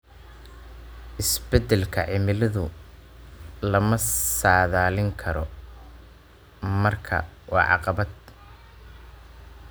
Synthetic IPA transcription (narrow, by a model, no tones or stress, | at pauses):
ʔɪsbɛd̪ɛlkʰɐʕɪmɪlɐðʊ | lɐmɐsaːðaːlɪŋkʰɐɾɔ | mɐrkʰɐ̰wɑ̰ːʕɑ̰qɑβɐd̪̚